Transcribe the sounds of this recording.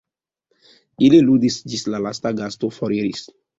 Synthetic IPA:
ililudisd͡ʒistlalastaɡastofɔɾiɾis

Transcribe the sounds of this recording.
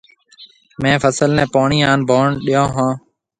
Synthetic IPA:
mẽːfʰəsəlnɛ̃ːpaːɳiːãːnbʱoːɳɗɪjõːɦãː

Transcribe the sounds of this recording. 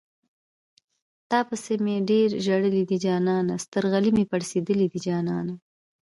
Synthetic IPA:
t̪ɑpəsemeɖeɾʒaɽəlid̪id͡ʒɑːnɑnast̪əɾɣalimepaɽsed̪əlid̪id͡ʒɑːnɑna

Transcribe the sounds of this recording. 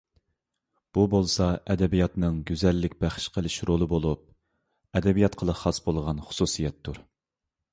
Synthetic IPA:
b̥ubolˠsɑʔɛd̪ɛbijɑt̪nɨŋɡʲyzɛlːɪkʲbæχʃqʰəlˠɪʃɾolˠɨbolˠup̚ | ɛd̪ɛbijɑt̪qʰəlˠəχɑsbolˠʁɑnχʊ̥susijɛt̪ʰːuɾ

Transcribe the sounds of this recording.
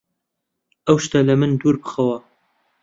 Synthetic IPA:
ɐwʃt̪ɐlɐmɨnd̪uɾbɨxɐwɐ

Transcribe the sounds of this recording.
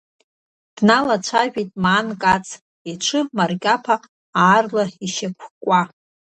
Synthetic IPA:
d̥nalat͡ʃʷʰaʒᶣijtʼmaːnkʼat͡sʰʼ | iʈ͡ʂʷʰɨmarkʲʼapʰa | aːrlaiʃakʷʰkʷʼa

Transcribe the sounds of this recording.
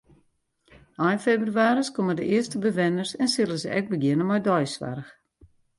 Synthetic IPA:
ajnfebrɥaːɾəskomədəʔɪəstəbəʋɪnərsɛnsɪləzəʔɛk̚bəɡjɪənəmɔjdɔjsʋa̰rəx

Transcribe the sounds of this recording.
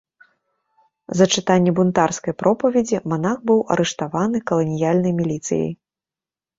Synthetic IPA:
zɐt͡ʂɨt̪anʲːɛbunt̪arskɐjpɾʔɔpɐvʲɛd͡zʲimanaxbɨwɐ̰ɾɛʂt̪avanɨkɐlˠɐnʲijalʲnɐjmʲilʲit̪sɨ̰jɐ̰j

